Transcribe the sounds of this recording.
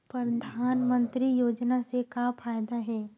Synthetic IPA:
pɾɐd̪ʱaːnmə̃nt̪ɾijoːd͡ʒnasekapʰaːjd̪aɦɛː

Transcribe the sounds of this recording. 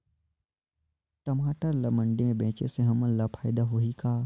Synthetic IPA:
ʈɐmaːʈəɾlɐmə̃ɳɖemẽbẽːt͡ʃeseɦɐmə̃lapʰaːjd̪aɦoɦikaː

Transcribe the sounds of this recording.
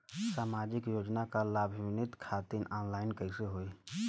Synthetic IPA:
saːmad͡ʒɪkjoːd͡ʒnakalaːbʱʋɪnɪt̪kʰaːt̪inaːnlaːɪnkəɦseɦoːi

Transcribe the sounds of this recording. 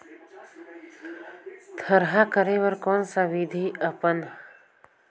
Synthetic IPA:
t̪ʰəɾɦakəɾewəɾkoːnsawid̪ʱiəpən

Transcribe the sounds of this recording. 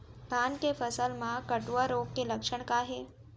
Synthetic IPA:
d̪ʱankefəsəlmãkəʈuʋaɾoɡkeləkʂəɳkaɦe

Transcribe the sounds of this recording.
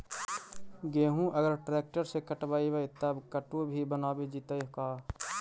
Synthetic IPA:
ɡeːɦũʔɐɡəɾʈɾɛːk̚ʈəɾsekəʈbaːiʋəit̪əbkəʈobʱibənaːbed͡ʒit̪əjɦkaː

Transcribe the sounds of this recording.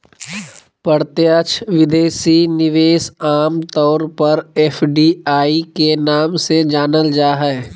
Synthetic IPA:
pəɽt̪eət͡ʃʰʋɪd̪eːsinɪʋeːsaːmt̪ɔːɾpɐɾɛːfʰɖiːaːikenaːmsed͡ʒaːnəld͡ʒaːɦɛ

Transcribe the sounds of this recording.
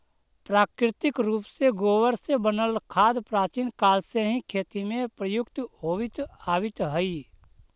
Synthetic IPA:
pɾaːkɾɪt̪ɪkɾuːpseɡoːwəɾsebənəlkʰaːd̪pɾaːt͡ʃinkaːlseɦĩkʰeːt̪imẽpɾəjʊkt̪ɦoːʋɪt̪aːwɪt̪ɦəi

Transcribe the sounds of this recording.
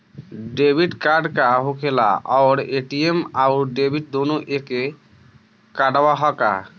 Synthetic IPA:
ɖebʱiʈkaɾɖkaɦokʰela̰ʔaɾeʈiemawɾɖebʱiʈ̚d̪onoʔeke | kaɖawaɦɔka̰

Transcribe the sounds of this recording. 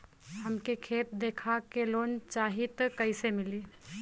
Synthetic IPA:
ɦəmkekʰeːt̪̚d̪eːkʰakeloːnt͡ʃaːɦit̪kəɪsemɪliː

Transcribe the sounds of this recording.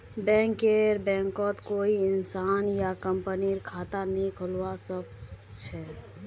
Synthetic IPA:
bɛ̃ːŋkeɾbɛ̃ːŋkɔt̪koːiɪnsaːnjakəmpəniɾkʰaːt̪anikʰəlwasəb̚t͡ʃʰɛ

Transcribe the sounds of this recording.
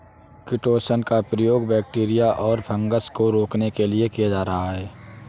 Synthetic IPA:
kɪʈoːsənkapɾəjoːɡbɛːk̚ʈiːɾɪjaʔɔːɾbʰʱə̃ŋɡəskoɾoːknekelɪekijad͡ʒaːɾɐɦaɦɛː

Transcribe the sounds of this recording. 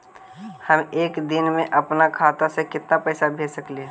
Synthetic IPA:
həmeːkd̪ɪnmẽʔəpnakʰaːt̪asekɪt̪napəɪsabʱeːsəkleː

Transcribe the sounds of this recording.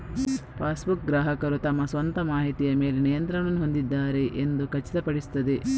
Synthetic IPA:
pʰaːsbuk̚ɡɾaːɦɐkɐɾut̪ɐmːɐsʋɐnt̪ɐmaːɦit̪ijɐme̞ːle̞nijɐnt̪ɾɐɳɐnːuɦo̞nd̪id̪ːaːɾe̞ʔend̪ukɐt͡ʃːi̥t̪ɐpɐɽist̪ːɐd̪e̞

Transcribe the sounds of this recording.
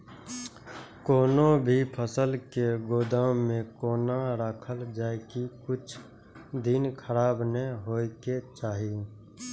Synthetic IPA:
koːnobʱipʰəsəlkeɡoːd̪aːwmẽkoːnaɾaːkʰəld͡ʒaːekikʊt͡ʃʰ | d̪ɪnkʰəɾaːbneɦoːiket͡ʃaːɦi

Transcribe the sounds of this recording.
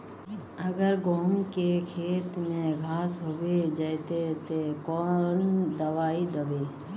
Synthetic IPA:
əɡəɾɡoːmkekʰeːt̪mẽɡʱaːsɦobed͡ʒət̪et̪ekɔːnd̪əʋaːid̪əbeː

